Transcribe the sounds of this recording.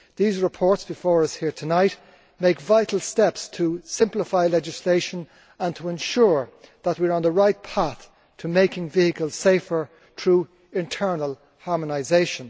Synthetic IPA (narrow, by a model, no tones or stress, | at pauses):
ðizɹɨpʰɔɹtsb̥ɨfɔɹʌshiɹtʰənaɪt | meɪkvaɪɾl̩ˠstɛpstʰəsɪ̃mpləfaɪlɛd͡ʒɨsleɪʃə̃n | ə̃ntʰəɛ̃nʃʊɹðət̚wiəɹə̃nðəɹaɪt̚pʰaθ | tʰəmeɪkɪ̃ŋviɨkəlˠz̥seɪfə˞ | θʰɹuː | ɪ̃ntʰɜ˞nəlˠ | hɑɹmənaɪzeɪʃə̃n